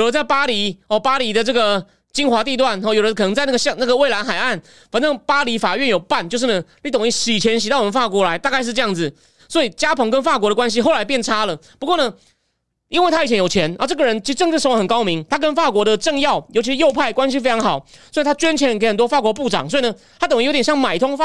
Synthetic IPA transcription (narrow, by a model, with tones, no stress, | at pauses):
jo˨˩də˦nt͡sa˥˩ɪpa˥li˧˥ɔ˨˩pa˥li˧˥d̪ə˨ʈ͡ʂɤ˥˩ɡə˩ | t͡ɕi˥nxwa˧˥t̪i˥˧t̪wa˥˩nɔ˥˩jo˨˩ʊɾə˧˦kʰɤ˨nɤ˧˥ŋt͡sa˥˧na˥˩ɡə˧ɕɑ˥˧na˥˩ɡə˩we˥˩la˧˥nxa˨˩ɪa˥˩n | fa˨˩nʈ͡ʂɤ˥˩ŋpa˥li˧˥fa˨˩ɥɛ˥˩njo˨˩ʊpa˥˨nt͡ɕjo˥˧ʊʂ̬̩˥˩nə˩li˥˩t̪ʊ˨˩ŋi˥˩ɕi˨˩t͡ɕʰjɛ˧˥nɕ̬i˨t̪a˥˩wɔ˨˩mə˦fa˥˩kwɔ˧˥la˧˥ɪt̪a˥˧ka˥˧ɪʂ̬̩˥˧ʈ͡ʂɤ˥˧jɑ˥˩ŋd͡zɹ̩˨˩ | swɔ˧˥i˨˩t͡ɕja˥pʰɤ˧˥ŋk̬ə˧˥nfa˥˩kwɔ˧˥ɾə˧kwa˦˥nɕ̬i˥xo˥˩la˧˥ɪp̬jɛ˥˨nʈ͡ʂʰa˥lə˨pu˧˥kwɔ˥˩nə˧ | i˥nwe˥˩ɪtʰa˥i˨˩t͡ɕʰɛ˧˦njo˨˩ʊt͡ɕʰjɛ˧˥n̰˥˧˩ʈ͡ʂɤ˥˩ɡə˩ɻə˧˦nt͡ɕʰi˧˥˧ʈ͡ʂŋʈ͡ʂ̩˥˩ʂo˥˩˧xə˨˩kɑ˥ʊmi˧˦ŋt̪ʰa˥k̬ə˧˥nfa˥˩kwɔ˧˥d̪ə˨ʈ͡ʂɤ˥˧ŋjɑ˥˨ʊjo˧˥t͡ɕʰi˧ʂɻ̩˧jo˥˧ʊpʰa˥˩ɪkwa˥nɕ̬i˧˥fe˥ɪʈ͡ʂʰɑ˧˥ŋxɑ˨˩ʊswɔ˧˥˨t̪ʰa˥t͡ɕɥɛ˥nt͡ɕʰjɛ˧˥n˧ke˧˥ɪxə˨˩nt̪wɔ˥fa˥˩kwɔ˧˥p̬u˥˩ʈ͡ʂɑ̰˨˩ŋswɔ˧˥i˨nə˧ | t̪ʰa˥t̪ə˨˩ŋ˧˥t̪jɕɑ˥˩ŋma˨˩ɪt̪ʰʊ˥ŋf